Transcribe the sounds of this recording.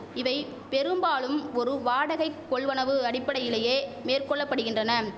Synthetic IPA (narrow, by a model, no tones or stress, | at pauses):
ɪʋɐɪ | pɛɾɯmbaːɭɯmɔɾɯʋaːɽɐɣɐɪkːɔɭʋɐnɐʋɯɐɽɪpːɐɽɐjɪleːjeːmeːrkɔɭːɐpːɐɽɯɣɪndrɐnɐ